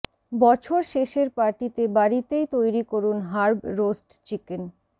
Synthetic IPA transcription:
bɔt͡ɕʰoɾʃeʃeɾpaɾʈit̪ebaɾit̪ejt̪ojɾikoɾunɦaɾbɾosʈt͡ɕiken

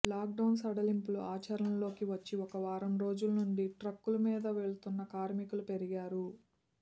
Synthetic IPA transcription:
laːk̚ɖɐwnsɐɽɐlimpuluʔaːt͡ʃɐɾɐɐnlo̞ːkiʋɐt͡ʃːiɔkɐʋaːɾɐmɾo̞ːd͡ʒulnuɳɖiʈɾɐkːulumiːd̪ɐʋeɭt̪unːɐkaːɾmikulupe̞ɾiɡaːɾu

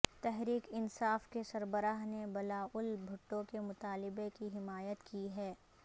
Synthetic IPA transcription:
t̪ɛɦɾiːkɪnsaːfkesɐɾbəɾaːɦnebɐlaːʊlbʱʊʈːõkemʊt̪aːlɪbekiɦɪmaːjət̪kiɦɛː

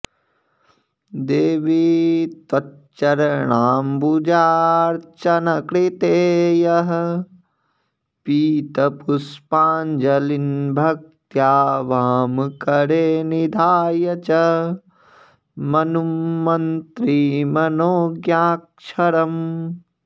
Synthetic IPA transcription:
d̪eːʋit̪wɐt͡ʃːɐɾɳaːmbud͡ʒaːɾt͡ʃɐnɐkɾit̪eːjɐɦɐ̆ | piːt̪ɐpuspaːnd͡ʒɐlinbʱɐk̚t̪jaːʋaːmkɐɽeːnid̪ʱaːjɐt͡ʃɐ | mɐnumɐnt̪ɾimɐnoːɡjaːk̚ʃʰɐɾɐm

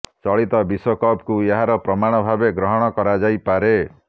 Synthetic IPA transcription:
t͡ʃɔɭit̪ɔbisokɔpkueɦaɾɔpɾɔmaɽ̃ɔbʱabeɡɾɔɦɔɽ̃ɔkɔɾad͡ʒajpaɾe

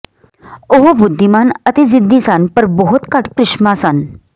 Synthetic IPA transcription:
oɦubud̪ʱːimanət̪id͡zid̪ʱːisanpəɾbɔɦut̪kaʈkɾɪʂmasan

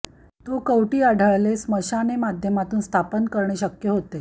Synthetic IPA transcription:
t̪okəwʈiːaɖʱəɭlesməɕanemad̪ʱjəmat̪uːnst̪ʰapənkəɾɳeɕəkjəɦot̪e

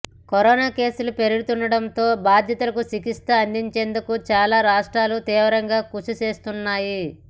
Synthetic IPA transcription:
koɾɔːnaːke̞ːsulupe̞ɾiɡut̪unɳɖɐɽɐnt̪o̞ːbaːd̪ʱjɐt̪ɐlɐkusikist̪ɐːnd̪iɲt͡ʃe̞ːnd̪ukut͡ʃaːlaːɾaːʂʈɾaːlut̪iːʋɐɾɐŋɡaːkuʂut͡ʃe̞ːst̪unːaːji

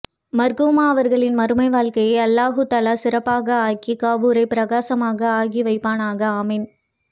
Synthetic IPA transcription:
mɐɾɣɯmaːɐʋɐɾɣɐɭɪnmɐɾɯmɐɪʋaːɭkɐjɐɪɐlːaːɣɯt̪ɐlaːsɪɾɐpːaːɣɐaːkikaːʋuɾɐɪpɪɾɐɣaːsɐmaːɣɐaːɣiʋɐɪpːaːnaːɣɐaːmɛn

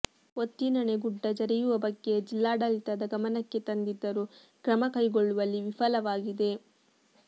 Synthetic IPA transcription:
ot̪ːinɐɳeɡuɖːɐd͡ʒɐɾɛjuʋɐbɐɡːe̞d͡ʒilːaːɖɐlit̪ɐd̪ɐɡɐmɐnɐkːe̞t̪ɐnd̪id̪ːɐɾu | kɾɐmɐkɐjɡoɭːuʋɐlːiʋifʰɐlɐʋaːɡid̪e̞

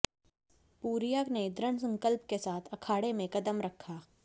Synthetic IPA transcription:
puːɾijaːkned̪ɾəɳsɐ̃ŋkəlp̚kesaːt̪ʰɐkʰaːɽemẽkɐd̪əmɾɐkʰːaː

